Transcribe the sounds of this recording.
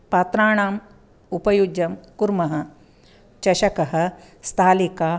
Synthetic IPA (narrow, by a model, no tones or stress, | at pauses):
pɐt̪ɾaːɳaːm | upɐjud͡ʒɐmkuɾmɐɦɐ̆ | t͡ʃɐʃɐkɐɦɐ̆ | st̪ʰaːlikaː